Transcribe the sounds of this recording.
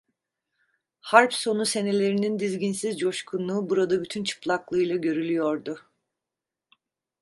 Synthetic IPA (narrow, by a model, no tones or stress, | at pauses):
haɾpso̞nuse̞ne̞lʲe̞ɾinind̪izɟinsizd͡ʒo̞ʃkʰunːˠuːbuɾad̪abyt̪ʰynt͡ʃʰɯ̥plˠaklˠɯjlˠaɟø̞ɾylʲyjoɾd̪ʊ